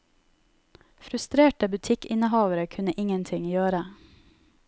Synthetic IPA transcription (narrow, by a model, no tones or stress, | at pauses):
fɾʉst̪ɾeːʈəbʉt̪ʰɪkɪnəhɑːʋəɾəkʰʉnəʔɪŋənt̪ʰɪŋjøːɾə